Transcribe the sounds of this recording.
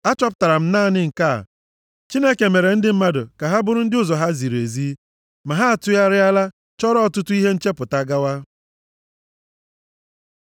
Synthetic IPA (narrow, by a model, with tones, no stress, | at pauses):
a˦t͡ʃɔ˦pʊ˨ta˨ɾa˨m̩˦naː˦˨nɪ˦ŋ̩˨ka̰˦˨ | t͡ʃi˦ne˦ke˨me˨ɾe˨n̩˦dɪ˦m̩˦ma˦dʊ˨ka˨ɦa˦bʊ˦ɾʊ˦n̩˦dɪ˦ʊ˦zɔ˨ɦa˦zi˨ɾe˨zi˦ | ma˨ɦa˦a˨tʊ˦ja˦ɾɪ˦a˦la˦ | t͡ʃɔ˦ɾɔ˦ɔ˨tʊ˦tʊ˦i˦ɦe˦n̩˦t͡ʃe˦pʊ˨ta˨ɡa˦wa˦